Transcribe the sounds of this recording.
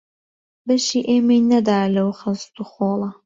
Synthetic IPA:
bɐʃiːʔeːmejnɐd̪aːjlɐwxɨst̪uχoːlˠɐ

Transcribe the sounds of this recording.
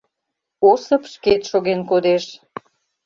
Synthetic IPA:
osə̆pʃket̪ʃoɣenkod̪eʃ

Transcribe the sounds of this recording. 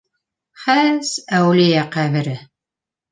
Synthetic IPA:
χæsæwlijæqæβɘ̆ɾɘ

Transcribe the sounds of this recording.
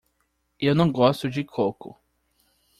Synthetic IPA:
ewnɐ̃w̃ɡɔst̪ʊd͡ʒɪkʰokʊ̰

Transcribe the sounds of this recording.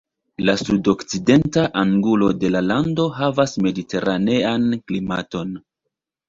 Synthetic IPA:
lasudo̞kt͡side̞ntaʔaŋɡulo̞de̞lalando̞ɦavasme̞dite̞ɾane̞anklimato̞n

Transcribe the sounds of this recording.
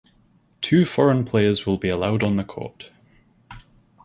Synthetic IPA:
tʰʉːfɔɹə̃npʰl̥eəzwɪlˠbiəlˠaʊdn̩ðəkʰɔ̰ɹʔ

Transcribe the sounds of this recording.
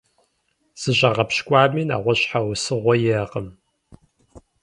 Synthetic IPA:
z̥ɨʑaʁɐpɕkʷʼɑːmiːna̰ːʁʷɔɕħawsɨʁʷɔjɛqəm

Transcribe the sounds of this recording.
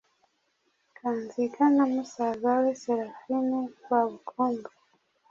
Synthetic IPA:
kʰanzikʰanamusaɡaweseɾafinikwaβukʰoŋɡa

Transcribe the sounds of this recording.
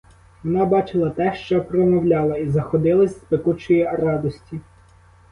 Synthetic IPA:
ʋɔnɑbɑt͡ʃɪlˠɐt̪ɛʃt͡ʃɔpɾɔmɔwlʲɑlˠɐizɐxɔd̪ɪlˠɐsʲspekut͡ʃɔjirɑd̪ɔsʲtʲi

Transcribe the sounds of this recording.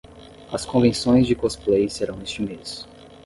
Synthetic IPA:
ɐskõvẽsõj̃zd͡ʒɪkɔsplejseɾɐ̃w̃nest͡ʃɪmes

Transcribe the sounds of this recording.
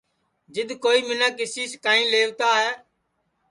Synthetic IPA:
d͡ʒɪd̪koːiːmɪnaːkɪsiːskaːĩːleːʋt̪aːɦɛː

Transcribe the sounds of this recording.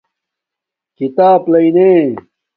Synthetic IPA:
kit̪aːplɐineː

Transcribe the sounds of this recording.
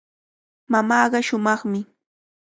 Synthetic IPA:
mamɑːɢɑʃʊmɑχmɪ

